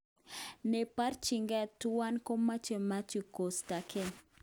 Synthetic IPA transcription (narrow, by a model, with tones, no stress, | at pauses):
ne˨pa˦rt͡ʃi˨ŋɡɛ˦twa˦nko˦ma˦t͡ʃe˨ma˦t͡ʃi˨ko˨sta˨ke˦n